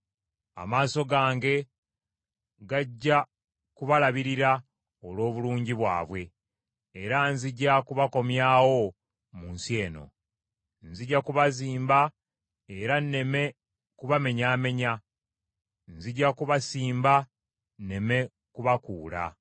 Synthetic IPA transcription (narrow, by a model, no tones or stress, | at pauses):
a̰maːso̞ɡaːŋɡe̞ | ɡaɟːa | kuβalaβiɾiɾa | olo̞ːβuluːɲɟiβwa̰ːβwe̞ː | ɾanziɟːakuβako̞mjaːwo̞ | munsje̞ːno̞̰ | nziɟakuβaziːmba | e̞ɾanne̞me̞ | kuβame̞ɲaːme̞ɲa | nziɟːakuβasiːmba | ne̞me̞ | kuβakuːla̰